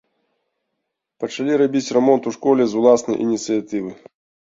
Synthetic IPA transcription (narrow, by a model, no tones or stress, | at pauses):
pɐt͡ʂalʲiɾabʲit͡sʲrɛmɔnt̪uʂkɔlʲɛzulˠasnɐ̰jʔḭnʲit̪sɨjat̪ɨvɨ